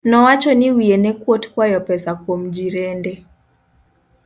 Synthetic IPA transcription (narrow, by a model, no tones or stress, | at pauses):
nɔwat͡ʃɔnɪwienɛkwotkwajɔpɛsakwomd͡ʒiɾende